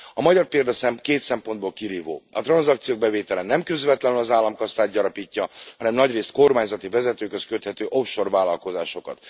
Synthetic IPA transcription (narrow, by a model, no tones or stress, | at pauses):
ɒmɒɟɒrpeːld̪ɒsɛkeːt̪sɛmpo̞nd̪boːlkiɾiːvo̰ːɒt̪rɒnzɒk̚t̪sijoːɡ̚bɛveːt̪ɛlɛnɛmkøzvɛt̪lɛnynɒzaːlːɒmkɒst̪aːd̪̚ɟɒɾɒpiːcːɒhɒnɛmnɒɟreːst̪̚ko̞rmaːɲzɒt̪ivɛzɛt̪øːkhøskøt̪hɛt̪øːʔo̞fʃo̞rvaːlɒlko̞za̰ːʃo̞kɒ̰t̪